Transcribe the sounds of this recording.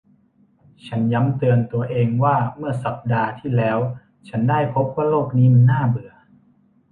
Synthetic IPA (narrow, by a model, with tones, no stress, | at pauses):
t͡ɕʰa˦˥nja˦˥mt̪ɯ˧ənt̪u˧ɐʔeː˧ŋwaː˥˩mɯ˥˩ɐsa˨˩p̚daː˧t̪ʰiː˥˩lɛː˦˥w | t͡ɕʰa˦˥ndaː˥˩jpʰo˦˥p̚waː˥˩loː˥˩k̚niː˦˥ma˧nːaː˥˩bɯ˨˩ɐ